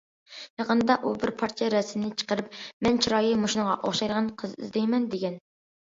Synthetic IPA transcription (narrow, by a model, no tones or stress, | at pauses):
j̪eʁənd̪ɑʔubɪɾpʰɑɾt͡ʃʰɛɾɛsmnɪt͡ʃʰə̥qəɾɨp̚mɛnt͡ʃʰiɾɑːjɨmoʃunəʁɑʔoχʃɑjɾʁɑnqʰəzḭzd̪ɛjmɛnd̪eɡʲɛn